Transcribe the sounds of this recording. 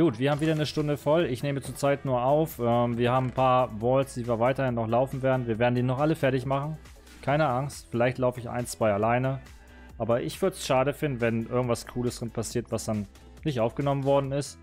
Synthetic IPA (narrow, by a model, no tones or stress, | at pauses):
ɡ̥uːtv̥iːɐhaːbm̩viːdɐnəʃtʊndəfɔlɪçneːmət͡suːɐt͡saɪtnuːɐʔaʊfʔɛːmviːɐhaːbm̩pʰaːɐvɔlsd̥iːviːɐvaɪtɐhɪnːɔχlaʊfn̩veːɐdn̩viːɐveːɐdn̩diːnɔχʔaləfɛɐtɪçmaχn̩ | kʰaɪnəʔaŋstfɪlaɪçtlaʊfəɪçʔa̰ɪnt͡sv̥aɪalaɪnə | ʔʔaːbɐʔɪçv̥ʏɐdəsʃaːɾəfɪndn̩vɛnʔɪɐɡŋ̩tv̥askʰuːləsd̥ɪnpʰasiːɐtv̥asd̥an | nɪçtʔaʊfɡ̥ənɔmənvɔɐdn̩ɪst